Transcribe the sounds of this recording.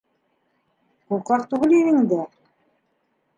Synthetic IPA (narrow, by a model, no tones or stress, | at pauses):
qulˠqɑqt̪uɣɘliɾɘ̆ŋd̪æ